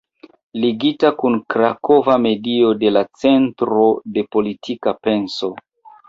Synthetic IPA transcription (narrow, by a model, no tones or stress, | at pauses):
liɡitakunkɾako̞vame̞dio̞de̞lat͡se̞ntɾo̞de̞po̞litʰikape̞nso̞